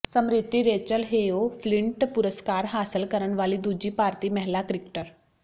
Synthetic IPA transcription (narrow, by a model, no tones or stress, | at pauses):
səmɾit̪ːiɾeːt͡ɕəlɦejofliɳʈpuɾəskaːɾɦaːsəlkəɾəɳ̃ʋaːliːd̪ud͡ʑiːpaːɾt̪iːmɐɦlakɾikʈəɾ